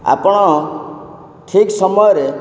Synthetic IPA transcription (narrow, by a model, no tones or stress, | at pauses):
a̰pɽ̃ɔ | ʈʰiksɔmɔjɾe